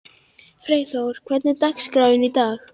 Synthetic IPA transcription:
fɾeːjθowɾ̥kʰvɛt̪nɪt̪akskɾawɪnit̪aːɣ

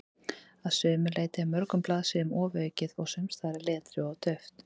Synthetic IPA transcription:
aðsʏːmʏleːjt̪ɪamœɾkʏmplaːðsɪʏmɔːvœːcɪðɔɣsœmst̪ʰaːɾɪlɛːt̪ɾɪɔɣt̪ʰœɥft̪

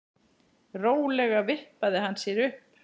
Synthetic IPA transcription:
roːwlɛɣavɪhpaðɪɦanːsjɛɾʏhp

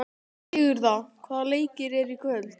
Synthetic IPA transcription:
ɪːɣʏɾθakʰvaːðaleːjcɪɾɛɾikʰvœlt̪

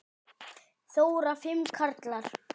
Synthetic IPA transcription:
θoːwɾafɪmkʰaɾt̪laɾ̥

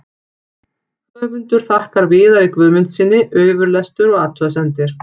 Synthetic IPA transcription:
vamʏnt̪ʏɾ̥θahkaɾvɪːðaɾikvʏːðmʏn̥t̪sɪnːɪʔœːɥvʏɾlɛst̪ʏɾɔɣaːt̪ʰʏas̬ɛnt̪ɪɾ̥

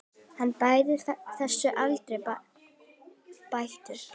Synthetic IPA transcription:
hanːpaːjðɪθɛsːʏʔalt̪ɾɛ | pajht̪ʏɾ̥

